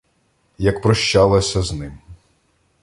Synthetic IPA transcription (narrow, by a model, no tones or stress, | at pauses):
jɐkpɾɔʃt͡ʃɑlˠɐsʲɐznɪm